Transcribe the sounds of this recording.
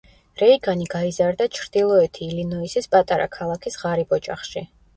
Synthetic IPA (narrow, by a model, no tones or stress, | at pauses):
ɾɛiɡaniɡaizaɾd̪at͡ʃʰɾd̪̥ilˠɔɛt̪ʰiːlinɔisispʼat̪ʼaɾa̰kʰalˠakʰisʁaɾibɔt͡ʃʼa̰χʃi